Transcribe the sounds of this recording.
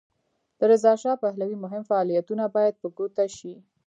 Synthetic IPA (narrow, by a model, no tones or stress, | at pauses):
d̪̥əɾɪzɑʃɑpaɦlawimʊɦɪmfaːlijat̪unabɑjad̪̚pəɡot̪aʃi